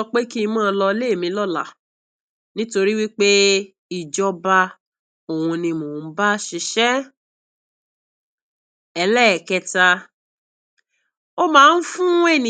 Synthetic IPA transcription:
ɔ˧k͡pe˦ki˦˧mãː˦˨˧lɔ˧le˦˨mĩ˧˦lɔ˦˨la̰˨ | nĩ˦to˧ɾi˦wi˦k͡pe˦ | i˦˨d͡ʒɔ˧ba˧ | o˨wũ˧nĩ˧mo˨n̩˦ba˦ʃi˧ʃɛ˦ | ɛ˧lɛ˦˨kɛ˧ta˧ | o˦mãː˦˧n̩˦fũ˦e˦˨nĩ˨

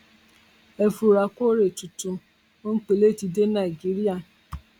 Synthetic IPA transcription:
e˦fu˨ɾa˨ko˦ɾe˨tu˨tu˧ | o˦ŋ̩˦k͡pe˨le˦˨ti˧de˦na˨i˨ɡi˦ɾi˦a˦˨

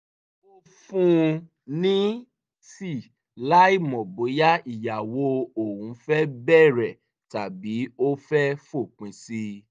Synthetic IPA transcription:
o˦ | fũ˦ | nĩ˦ | si˦˨ | la˦i˦˨mɔ̃˨bo˨˦ja˦i˨ja˨wo˧˦o˨wũ˨˦fɛ˦bɛ˦˨ɾɛ˨ | ta˨bi˨˦o˦fɛ˦fo˦˨k͡pĩ˧si˦

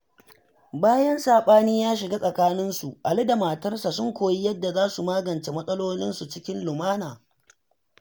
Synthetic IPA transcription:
baː˦jɐ˦nsaː˨ɓaː˦niː˦jaː˦ʃ̬ɪ˨ɡaː˦sʼɐ˨kaː˦nɪ˦nsu˨ʔa˨lɪ˦da˨maː˨tɐ˦rsa˨sʊ˦ŋkʷoː˨ji˦jɐ˦dːa˨zaː˦su˨maː˦ɡɐ˨nt͡ʃe˨mɐ˦sʼɐ˦loː˦nɪ˦nsu˨t͡ʃɪ˦kʲɪ˦nlʊ˨maː˦naː˨

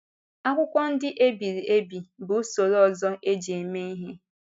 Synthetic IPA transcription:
a˦kʷʊ˦kʷɔ˦n̩˦dɪ˦ʔe˦bi˨ɾi˨e˦bi˨bʊ˨˦so˨ɾɔ˨zɔ˦ʔe˦d͡ʒe˨e˨me˦i˦ɦe˦

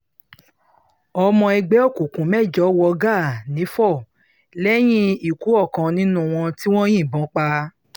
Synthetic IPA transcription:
ɔ˧mɔ̃˧i˧ɡ͡bɛ˨˦ɔ˦˨ku˨kũ˨mɛ˦˨d͡ʒɔ˨˦wɔ˧ɡa˦˨nĩ˨˦fɔ˦˨ | lɛ˦j̃ĩ˦i˨ku˨˦ɔ˦˨kã˧nĩ˦nũ˦w̃ɔ̃˧ti˦w̃ɔ̃˦j̃ĩ˦˨bɔ̃˨˦k͡pa˧

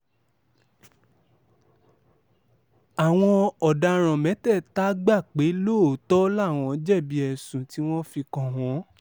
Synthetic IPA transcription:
a˨w̃ɔ̃˧ɔ˨da˨˧ɾ̃ã˨mɛ̃˨˦tɛ˦˨ta˦ɡ͡ba˦˨k͡pe˨˦lo˦˨˦tɔ˦la˦˨w̃ɔ̃˧˨˦d͡ʒɛ˦˨bi˦ɛ˧sũ˨ti˦w̃ɔ̃˦fi˧kã˧w̃ɔ̃˨˦

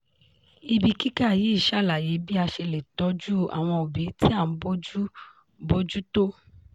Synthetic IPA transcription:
i˧bi˧ki˦ka˦˨ji˨˦i˦˨ʃa˦˨la˨ji˨˦bi˦a˧ʃe˧le˨tɔ˨˦d͡ʒu˦a̰˨w̃ɔ̃˧o˨bi˨˦ti˦a˦˨n̩˨˦bo˦d͡ʒu˦ | bo˦d͡ʒu˦to˦

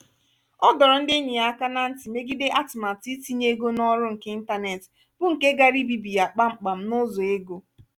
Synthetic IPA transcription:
ɔ˦dɔ˨ɾɔ˨n̩˦de˦ɲi˨a˨ka˦na˨n̩˦ti˨me˦ɡi˦de˦ʔa˦tʊ˨ma˨ti˦ti˦ɲ˦e˦ɡo˦nɔ˦ɾʊ˦ŋ̩˨ke˦i˦n̩˦ta˦ne˨tɪ̥˨ | b̥ʊ˦ŋ̩˨ke˦ɡa˦ɾi˦bi˦bi˨ja˨k͡pa˦ŋ͡m̩˨k͡pa˨m̩˦nʊ˦zo˨e˦ɡo˦

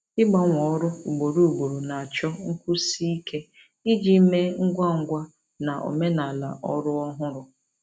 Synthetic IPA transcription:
ɪ˦ɡ͡ba˦ŋʷɔ˨ɔ˦ɾʊ˦u˨ɡ͡bo˨ɾu˨ɡ͡bo˨ɾo˨na˨a˨t͡ʃɔ˦ŋ̩˦kʷu˦si˦i˦ke˦ | i˦d͡ʒi˦me˦ŋ̩˦ɡʷa˦ŋ̩˦ɡʷa˦ | na˨ʔo̰˨me˦na˨la̰˨ʔɔ˦ɾʊ˦ɔ˦ɦʊ˦ɾʊ˦

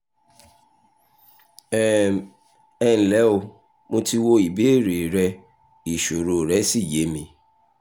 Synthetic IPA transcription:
ɛ˦ | ɛ˦n̩˨lɛ˨˦o˧˨ | mõ˧ti˧wo˧i˨be˨˦˨ɾe˨ɾɛ˧ | i˨ʃo˨ɾo˨ɾɛ˨˦si˦˨je˨˦mĩ˧

